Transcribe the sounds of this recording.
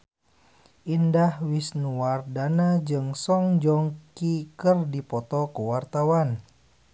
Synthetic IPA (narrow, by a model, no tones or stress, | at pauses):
ʔindahwisnuardanad͡ʒɨŋsɔŋd͡ʒɔŋkikərdipɔt̪ɔkəwart̪awan